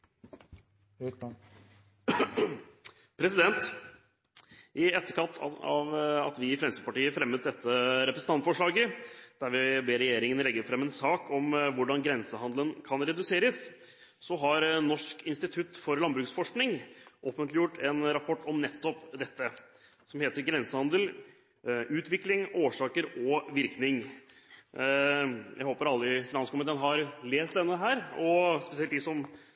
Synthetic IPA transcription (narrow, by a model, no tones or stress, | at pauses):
pʰɾɛsɪd̪ɛnt̪ | ʔɪɛt̪ːəkɑt̪ʰːɑʋɑ̰t̪ʋɪfɾɛmsəpɑʈiːəfɾɛmːət̪̚d̪ɛt̪ːəɾɛpɾəsn̩ɑnt̪fɔʂɭɑːɡəd̪̥æɾʋɪbeːɾɛjeːɾɪŋənlɛɡːəɾfɾɛmːɛnsɑːkʰɔmʋʊɖɑnɡɾɛnsəhɑnd̪lənkʰɑnɾɛd̪ʉseːɾəs | sɔɦɑɾnɔʂkɪnst̪ɪt̪ʰʉt̪ːfɔɾlɑnbɾʉːksfɔʂknɪŋʔoːfənt̪lɪjʊʈːɛnɾɑpʰɔʈːɔmnɛt̪ʰːɔpd̪ɛt̪ːə | sɔmheːt̪əɾɡɾɛnsəhɑnd̪əl | ʉːt̪ʰʋɪklɪŋoːʂɑːkəɾɔʋɪɾknɪŋ | jæ̰ɪhoːpəɾɑlːəɪfɪnɑnskʊmɪt̪eːənɦɑɾleːst̪̚d̪ɛnːəɦæːɾɔspɛsɪɛlt̪d̪ɪsɔm